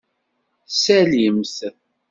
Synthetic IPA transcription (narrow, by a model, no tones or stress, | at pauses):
sæljəmθ